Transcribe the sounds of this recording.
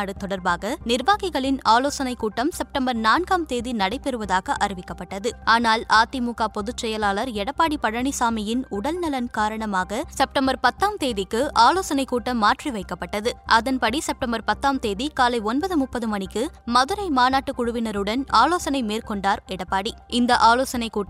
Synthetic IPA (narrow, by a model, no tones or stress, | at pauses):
aːɽɯt̪ɔɽɐɾbaːɣɐnɪɾʋaːɣɐɪɣɐɭɪnaːloːsɐnɐɪkːuːʈːɐmsɛp̚ʈɐmbɐɾnaːnɡaːmt̪eːðinɐɽɐɪpːɛɾɯʋɐðaːɣɐʔɐɾɪʋɪkːɐpːɐʈːɐðɯaːnaːlaːt̪imuːɣaːpɔðɯt͡ʃːɛjɐlaːlɐɾɛɽɐpːaːɽipɐɽɐɳisaːmɪjɪnʊɽɐlnɐlɐnkaːɾɐɳɐmaːɣɐsɛp̚ʈɐmbɐɾpɐt̪ːaːmt̪eːðɪkːɯʔaːloːsɐnɐɪkːuːʈːɐmːaːʈriʋɐɪkːɐpːɐʈːɐðɯʔɐðɐnpɐɽisɛp̚ʈɐmbɐɾpɐt̪ːaːmt̪eːðikaːlɐɪɔnbɐðɯmʊpːɐðɯmɐɳɪkːɯmɐðɯɾɐɪmaːnaːʈːɯkʊɻʊʋɪnɐɾɯɽɐnaːloːsɐnɐɪmeːrkɔɳɖaːɾɛɽɐpːaːɽiʔɪnd̪ɐʔaːloːsɐnɐɪkːuː